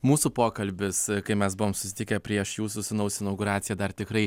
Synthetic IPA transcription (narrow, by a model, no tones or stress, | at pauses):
muːsuːpoːkɐlʲbʲɪskɐɪpmʲɛsbʊʋoːmsʊ̥sʲɪt̪ʲɪkʲɛpʲɾʲiɛʃjuːsʊsʲɪnɐʊsʲɪnɐʊɡʊɾɑːt̪sʲɪjɛd̪ɐɾt̪ʲɪkɾɐɪ